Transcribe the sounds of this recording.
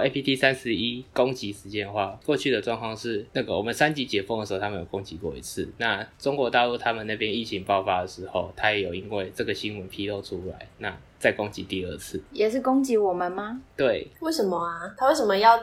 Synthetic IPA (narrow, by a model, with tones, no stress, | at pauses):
e˥pʰi˥t̪ʰi˥˩sa˦nʂɻ̩˧˦i˦ko˥˦ŋt͡ɕi˨˥ʂɻ̩˧˥t͡ɕjɛ˥˧nxwa˥˩kwɔ˥˧t͡ɕʰy˥˩d̪ə˩ʈ͡ʂwɑ˥˧ŋkʰwɑ˥˧ŋʂɻ̩˥˧na˥˩ɡə˩wɔ̰˨˩mə˨˦nsa˦nt͡ɕi˧˥t͡ɕjɛ˨˥˦fɔ˥˩ŋdə˩ʂ̩ʰ˧˥˧a˥mə˨jo˨˩ko˦˥ŋt͡ɕi˨˥kwɔ̰˥˩ḭ˧˥t͡s̩ʰ˥˩na˥˩ʈ͡ʂo˥ŋkwɔ˧˥t̪ɑ˥˧lu˥˩t̪ʰa˥mə˨na˥˩pʰjɛ˦ni˥˩t͡ɕʰi˧˥ŋpɑ˥˨˩ʊfa˥d̪ə˩ʂɻ̩˧˥˦xo˥˩ʊt̪ʰa˦˥jɛ˨˦jo˨˩ʊi˦nwe˥˩ɪʈ͡ʂə˥˩ɡə˩ɕi˦˥nwə˦npʰi˥lo˥˩ʊʈ͡ʂʰu˦la̰˨˦ɪna˥˩t͡sa˥˩ɪko˦˥ŋt͡ɕi˨˥t̪i˥˧ə˥˧˩t͡s̩ʰ˥˩jɛ˨˩ʂɻ̩˥˩ko˥ŋt͡ɕi˧˥wɔ˨˩mə˨nma˨t̪we˥˩ɪwe˥˩ɪʂə˨˦nmə˧˦a˧t̪ʰa˥we˥˩sʂə˨˩mə˧jɑ˥˨ʊ